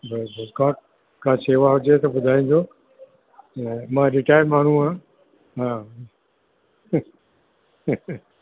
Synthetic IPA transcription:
bɪlbəlkaːʈ | kʰãːseːʋaɦʊd͡ʑet̪ɐbʊd̪ʱaːĩːn̆d̪o | mãːɾɪʈaːjəɾmaːɳ̤uãː | ɦãː

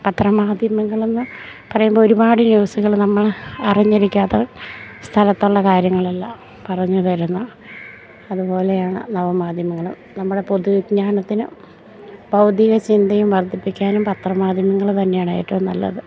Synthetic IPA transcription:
pɐt̪rɐmaːd̪ʱjɐmɐŋːɐɭenːɨ | pɐrɐjumbooɾubaːɽɨnjuːsuɣɐɭnɐmːɐɭɐriɲːiɾikʲːaːt̪ːɐst̪ʰɐlɐt̪ːuɭːɐkaːɾjɐŋːɐɭɐlːɐ | pɐrɐɲːutɐɾunːɐ | ɐðubo̞ːle̞jaːɳɨ̰nɐʋɐmaːd̪ʱjɐmɐŋːɐɭṵmnɐmːuɽe̞poðuɡɲaːɳɐt̪ːinɨ̰ | bʱɐwd̪jɐɣɐt͡ɕind̪ɐjumʋɐrd̪ʰʱipːikʲːaːnumpɐt̪rɐmaːd̪ʱjɐmɐŋːɐɭɨt̪ɐnːe̞jaːɳɐ̰j̰ʈːɐmnɐ̰lːɐ̰ðɨ

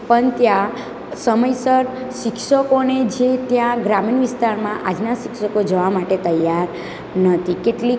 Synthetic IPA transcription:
pəɳt̪jã | səməjsəɾʃɪkʃəkoned͡ʒet̪jãɡɾaminʋist̪aɾmãʔad͡ʒnaʃɪkʃəkod͡ʒəʋamaʈet̪əjaɾ | nət̪ʰikeʈli

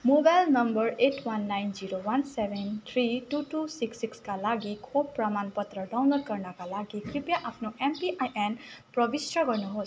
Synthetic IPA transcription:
mobajlnʌmbʌɾeʈwanːajnziɾowansebʱent̪ʰɾituʈusiksikskalaɡikʰobpɾamanpʌt̪ɾʌdawnlod̚kʌɾnakalaɡikɾipjaʔapʰnɔʔempiajʔenpɾʌbisɾʌɡʌɾnuɦos

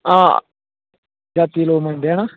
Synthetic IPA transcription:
ã̰ː | d͡ʒaːt̪iloːməɳɖaːnaː

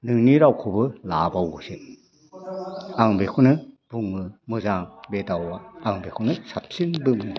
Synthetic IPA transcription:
nɯŋniɾawkʰɯbɯlabawɡɯsin | aŋbekʰunɯb̥uŋɯmɯzaŋbedawaːŋbekʰunɯsap̚sinbɯmɯ

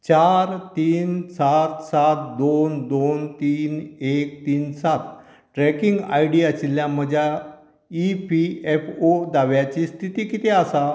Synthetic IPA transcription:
t͡ɕaɾt̪iːnsat̪sat̪̚d̪ond̪ont̪iːnek̚t̪iːnsat̪̚ | ʈɾɛkiŋɡa̰jɽiat͡ɕiljãm̤əd͡ʑʱja | ipʰiefod̪aʋjat͡ɕist̪ʰit̪iːkit̪easa

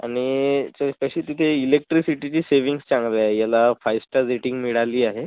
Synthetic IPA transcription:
a̰ɽ̃it͡ɕəkəɕiːt̪it̪ʰeilek̚ʈɾisiʈit͡ɕiːseʋiŋɡst͡sãŋɡleaɦejalafajsʈəɾd͡zeʈĩŋɡmiɭaliːaɦe

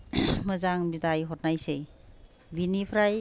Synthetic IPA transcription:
məzaŋbidajɦɔt̚najse | binipʰɾaj

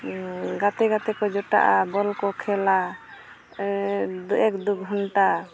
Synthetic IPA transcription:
ɡat̪ɛɡat̪ɛkɔd͡ʒɔʈa̰ʔabɔlkɔkʰɛla | d̪uʔɛkd̪uɡɦɔnʈa

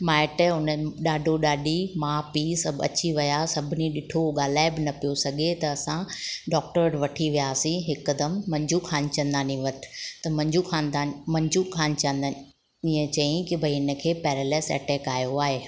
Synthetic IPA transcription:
maːɪʈəɦʊnəɗaːɖʱoɗaːɖʱimãːpːsɐbɐ̰t͡ɕiʋɐjasɐbʱɪniɗɪʈʰoɠaːl̤aːɪbɪnɐpijosɐɡʱet̪ɐːsãɖɔːk̚ʈəɾʈʋɐʈʰiʋijaːsĩɦɪkːɐd̪əmːɐ̃ɲd͡ʑʱukʰaːnɪt͡ɕɐ̃nd̪aːnĩʋɐt̪ʰt̪ɐmɐ̃ɲd͡ʑukʰãːnd̪aːnmɐ̃ɲd͡ʑʱukʰaːnt͡ɕɐ̃nd̪an | iə̃t͡ɕɐĩkɪbʱɐiɪnə̆kʰeːpɛːɾelɛːsɛ̰ːʈɛːkaːjoaːɦeː

